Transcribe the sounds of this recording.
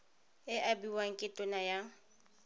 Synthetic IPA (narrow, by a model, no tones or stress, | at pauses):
ɪʔabiwaŋ̩kʼɪtʼʊnaja